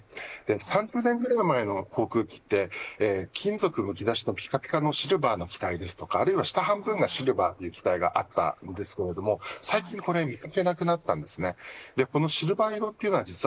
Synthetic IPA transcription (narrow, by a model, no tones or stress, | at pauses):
d̪̥e̞sãɲ̟d͡ʑɨːnẽ̞ŋɡɯ̟ɾaimaeno̞kʰo̞ːkɯ̟ːkʲi̥t̪ːe̞ːkʲʰĩnd͡zo̞kɯ̟mɯ̟k̬ʲid̪aɕi̥no̞pʲi̥kapʲi̥kano̞ɕiɾɯ̟baːno̞kʲi̥t̪aid̪e̞sɨ̥t̪o̞kaːɾɯ̟iβaɕi̥t̪aɦãmbɯ̟̃ŋɡaɕiɾɯ̟baːt̪ːeiɯ̟ːkʲi̥t̪aiɡa̰ʔat̪ːa̰nd̪e̞sɨ̥ke̞ɾe̞d̪o̞mo̞saikʲĩŋko̞ɾe̞mʲikake̞nakɯ̟nat̪ːãnd̪e̞sɨne̞d̪̥e̞ko̞no̞ɕiɾɯ̟baiɾo̞t̪ːe̞iɯ̟noad͡ʑit͡sɨ